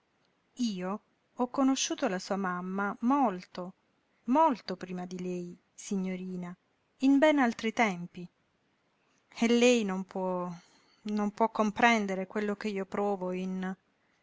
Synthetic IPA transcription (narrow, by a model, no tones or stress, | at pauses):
iːo | ɔkːonoʃːuːt̪olasuːamamːamolt̪o | molt̪opɾiːmad̪ilɛj | siɲːoɾiːna | imbɛnalt̪ɾit̪ɛmpi | elːɛjnompʰwɔ | nompwɔkːompɾɛnd̪eɾekwelːok̟eiːopɾɔːvoin